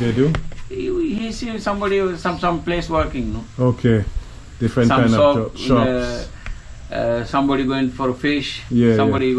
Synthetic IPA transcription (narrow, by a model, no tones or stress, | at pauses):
dedu | hisisʌ̃mbɔɖisʌ̃msʌ̃mpleːswəɾkɪ̃ŋnookʰe | d̥ɪfɾɛ̃nskãnɔɔʃɔ | sʌ̃mbɔɖiɡoɪ̃ɳʈfɔɾfɪʃjɛʌ̃mbɔɖi